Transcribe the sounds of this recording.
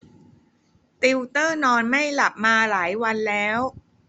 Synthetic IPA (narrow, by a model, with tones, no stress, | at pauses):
t̪i˧wt̪ɤː˥˩nɔː˧nma˥˩jla˨˩p̚maː˧laː˩˦jwa˧nlɛː˦˥w